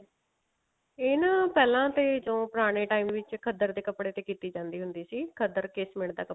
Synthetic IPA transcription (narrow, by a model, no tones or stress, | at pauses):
ɪnpɛːlãːt̪eːd͡ʒõːpʊɾaːɽ̃eːʈaːiːmʋɪt͡ʃkʰəd̪əɾd̪eːkəpɽeːt̪eːkiːt̪iːd͡ʒãːnd̪iːɦʊnd̪iːsiːkʰəd̪əɾkɪsmɪɳd̪aːkə